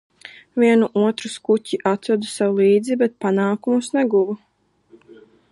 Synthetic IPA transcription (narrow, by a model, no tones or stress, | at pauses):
vʲiɛnuʔuɔt̪ɾuskucʲiʔat̪ɔd̪usawulˠiːd̪zibɛt̪̚panaːkumusnɛɡuvu